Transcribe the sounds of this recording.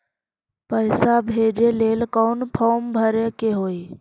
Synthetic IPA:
pəɪsabʱeːd͡ʒeleːlkɔːnpʰɔːmbʱəɾəkeɦoːi

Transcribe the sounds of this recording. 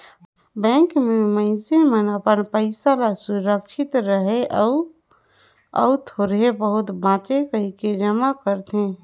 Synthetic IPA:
bɛ̃ŋkmeməɪsemənəpənpəɪsalasuɾəkʃɪt̪ɾəɦeʔə | ə̰ut̪ʰoɾɦebəɦʊt̪bãːt͡ʃekəɦiked͡ʒəmakəɾt̪ẽ

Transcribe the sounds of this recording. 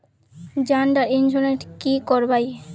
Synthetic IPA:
d͡ʑaɳɖaɾintʰoɾneʈkikɔɾbaj

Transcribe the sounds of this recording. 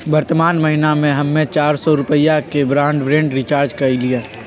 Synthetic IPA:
bɐɾt̪əmaːnmɐɦɪnamẽɦɐmːẽt͡ʃaːɾsɔɾʊpəjakebɾãːɳɖbɾẽːɳɖɾit͡ʃaːɾd͡ʒkɐilieː

